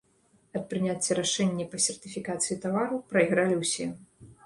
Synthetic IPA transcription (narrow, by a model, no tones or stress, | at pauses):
ɐt̪̚pɾɨnʲat͡sʲːɐɾaʂɛnʲːɛpɐsʲɛrt̪ɨfʲikat̪sɨjit̪avaɾuwpɾɐiɣɾalʲiwsʲɛ